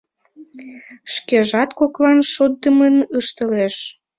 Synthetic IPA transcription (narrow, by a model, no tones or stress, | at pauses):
ʃkeʒɑt̪koklɑnʃod̪̚əmənəʃt̪əleʃ